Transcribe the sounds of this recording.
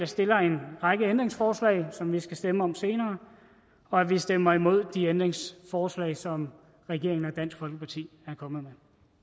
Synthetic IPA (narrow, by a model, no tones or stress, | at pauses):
ɑ̈sd̥e̝lɐe̝nʁɑ̈ɡ̥əend̥ʁeŋsfɒːslɛ̰ɪsɒ̽mʋisɡ̥æsd̥eməɒ̽mse̝ːnɐː | ɒ̽æʋisd̥emɐimo̝ð̞̰ˠd̥iend̥ʁeŋsfɒːslɛ̰ɪsɒ̽m | ʁɛɡ̥e̝ɐeŋn̩ɒd̥æn̰sɡ̥fɒ̽lɡ̥əpʰɑ̈t͡sʰḭːæɐkʰɒ̽mð̩ˠme